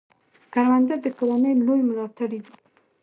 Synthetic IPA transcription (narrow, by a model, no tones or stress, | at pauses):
kaɾwand̪ad̪əkawɑnəjlojmʊzɑt̪aɽid̪i